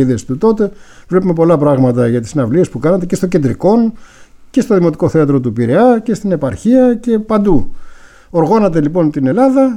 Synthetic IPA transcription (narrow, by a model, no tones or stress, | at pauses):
iðesi̥t̪ut̪o̞t̪e̞vle̞pume̞po̞lɐpɾɐɣmɐt̪ɐʝɐt̪isnɐvliespukɐnɐt̪e̞ce̞st̪o̞ɟe̞nd̪ɾḭko̞nce̞st̪o̞ðimo̞t̪i̥ko̞θe̞ɐt̪ɾo̞t̪upiɾe̞ɐce̞st̪ine̞pɐɾçiɐce̞pɐnd̪u | o̞ɾɣo̞nɐt̪e̞lipo̞nt̪ine̞lɐðɐ